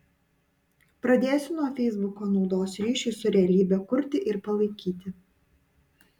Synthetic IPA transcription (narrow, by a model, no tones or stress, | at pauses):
pɾɐd̪ʲeːjsʲʊnuɔfʲɛɪzbʊkoːnɒʊd̪oːsɾʲiːʃʲɪsʊɾʲɛɐlʲiːbʲɛkʊɾʲt̪ʲɪʔɪɾpɐlˠɐɪkʲiːt̪ʲɪ